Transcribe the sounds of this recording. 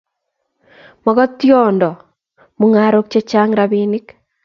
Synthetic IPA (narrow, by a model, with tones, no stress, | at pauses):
mɔ˨ɡɔ˦t̪ːjɔ˦ndɔ˨ | mu˦ŋa˨ɾo˦k̚t͡ʃe˦t͡ʃa˦ŋɾabinɪ˦k